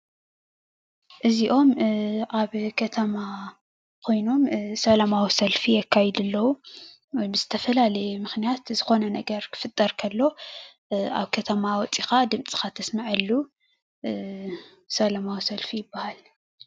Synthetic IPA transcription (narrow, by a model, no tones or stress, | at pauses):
ʔɨziʔo̞mʔaβkʰɐt̪ʰɐma | kʰo̞jno̞msɐlamawisɐlfiakʰːajɛd̪ɨlːɐwu | wɔjbɨzɨt̪ʰɐfɐlalɐjmɨxnijat̪zɨxo̞nɐnɐɡɐɾkʰɨ̥fɨt̪ʼːɐɾkʰɐlːo̞ | a̰βkʰɐt̪ʰɐmawɔt͡sʼixad̪ɨmt͡sʼi̥xat̪ʰɐsmaʕɨlːu | sɐlamawisɐlfijɪbːahal